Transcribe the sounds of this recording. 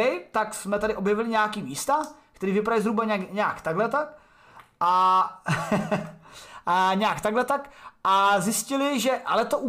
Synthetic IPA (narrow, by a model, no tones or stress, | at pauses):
ɪt̪aksmɛt̪adɪʔo̞bjɛvɪlɪɲɛakiːmiːst̪akt̪ɛɾiːvɪpaɾaizɦɾubaɲkɲɛakt̪aɡlɛt̪ak | ʔa | ɲɛjakt̪aɡlɛt̪akʔazjɪscɪlɪʒɛʔalɛt̪oʔu